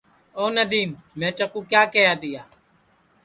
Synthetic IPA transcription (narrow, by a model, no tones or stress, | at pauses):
oːnəd̪iːmːɛ̃ːt͡ʃəkũːkjaːkəjaːd̪ɪjaː